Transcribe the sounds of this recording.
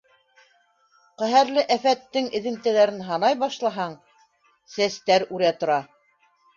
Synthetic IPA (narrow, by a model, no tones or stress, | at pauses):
qæɦæɾlɘʔæfæt̪ːɘŋɘ̆ðɘ̆mt̪æ̆læɾɘnɦɑnɑjbɑʃlˠɑɦɑɴ | sæst̪æɾʉɾæt̪ŏɾɑ